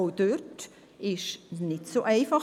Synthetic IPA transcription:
oʊd̥øt | ɪʃnɪtsoʔɛɪfɑχ

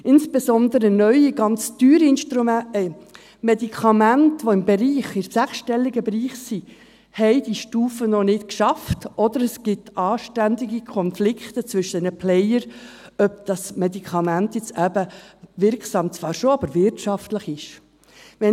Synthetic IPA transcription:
ʔɪnsb̥esɔnd̪əɾənœʏiɡɑnt͡styːɾɪnʃtɾum | mɛdikʰɑmæntʋoɪmbɛɾiːχɪɾsæχʃtɛlːiɡəbɾiːχsi | hɛɪdiʃtuːfənɔnɪtkʃɑftʔɔd̥̪əɾəsɡ̥ɪtʰɑːʃtænd̪iɡikʰɔnflɪkχtət͡svʏʃənəpʰlɛɪjəɾ | œp̚d̥ɑsmɛdikʰɑmæntjɛt͡sæbəvɪɾksɑːmt͡sv̥ɑːɾʃoɑbəɾvɪrtʃɑftləχɪʃ | ʋɛ

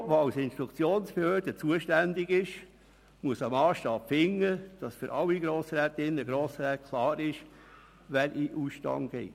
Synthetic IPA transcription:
vɑlsɪnʃt̪ɾukt͡sjoːnspɛhøːdət͡suəʃtænd̪ɪɡɪʃ | muəsəmɑːʃtɑːpfɪŋːəd̥ɑsfʏɾʔɑlːiɡɾoːsɾɛːt̪ɪnːəɡɾoːsɾɛːt̚kʰlɑːɾɪʃ | ʋænʔiʔuːsʃtɑ̰ŋɡ̥ɛ̰

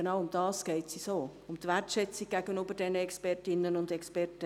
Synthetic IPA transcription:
ənɑwʊmd̥ɑːskɛɪtsisoːʊmtʋɛrtʃɛt͡sik̚ɡ̥æɡənybəɾd̥ɛnəɛkspɛrtɪnːənʊndɛkspɛtə

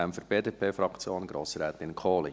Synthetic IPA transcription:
ɛmfəɾb̥eːdeːpʰeːfɾɑkt͡sjoːnɡ̥ɾo̰ːsɾɛːt̪ɪnkʰoːli

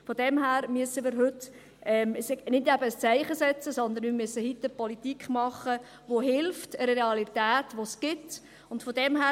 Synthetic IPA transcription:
fɔd̥ɛmɦæːɾmyəsːəmɪːɾɦɵt | ɛmsɪnɪdɛbəst͡sæɪχəsɛt͡səsɔnd̪ənmiːmyəsːəhit̪ːəpɔlit̪ikχmɑχə | ʋoɦɪlftəɾeɑlit̪æːtʋosɡ̥ɪt | ʊntfɔdɛmɦæː

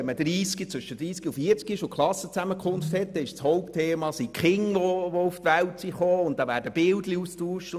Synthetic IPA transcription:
ɛnmədɾiːsɡit͡sʋʏʃəd̥ɾiːskiufiːəɾt͡skiɪʃokʰχlɑsːət͡sæməkʰχʊnfthɛt̚d̥ɛɪʃshɔʊptʰeːmɑsikχɪŋʋoʋoʊftʋæltsiχoːʊntd̥ɑːvæːɾdəb̥ɪldliustuːʃt

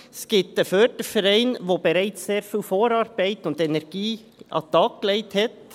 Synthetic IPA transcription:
skɪp̚t̚dəføːdəfɛɾɛɪnʋoːbɛɾæɪt͡sseːɾfyːlfoːɾɑɾb̥æɪtʊndɛnɛɾɡ̥iː | ʔɑ̰t̪ɑkklɛɪthɛt

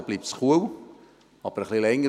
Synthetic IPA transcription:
b̥liːp̚tsχuəw | ɑb̥əɾəχlilɛŋːə

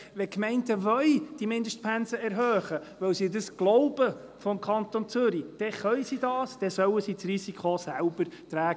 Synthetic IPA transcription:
ʋɛkmɛɪntəvœɥd̥imɪndəʃt̚pʰænsəɛɾɦœːχəʋœwsidəsɡ̥lɔʊbə | fɔmkʰɑnt̪ont͡sʏɾid̥ɛχœjsidɑːsd̥ɛsœwəsiːt͡srisikχosæʊbəɾt̪ɾæːɡə

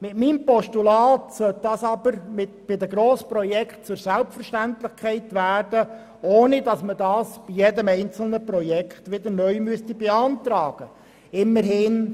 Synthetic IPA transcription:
mɪtmiːmpɔʃtulɑːtsœt̚d̥ɑsɑbəɾmɪtb̥ɪd̪əɡɾoːsprɔjɛkχt̚t͡sʊɾsælpfəɾʃtænt̪lɪχkʰχɛɪtʋæːrd̥ə | oːnɪdɑsmədɑːsb̥ijedəmɛɪnt͡sl̩nəprɔjɛkχtʋɪd̪əɾnœʏmyəstibeɑnt̪ɾɑːɡ̥ə | ɪmːəɾɦɪn

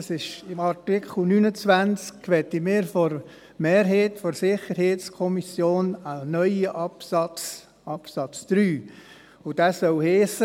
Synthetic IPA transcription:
sɪʃɪmɑɾtɪkχl̩nynət͡sʋænt͡skkʋɛt̪imɪːɾfɔɾ | meːɾɦeːtfɔɾsɪχəɾheːtt͡skʰɔmisjoːnənœʏəʔɑpsɑt͡s | ɑpsɑt͡sd̪̥ɾyː | ʊd̥æsœlheːsə

